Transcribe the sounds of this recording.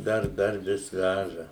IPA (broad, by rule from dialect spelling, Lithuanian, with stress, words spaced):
ˈdɐr ˈdɐr ˈʋʲɪs ˈʋʲæʒɐ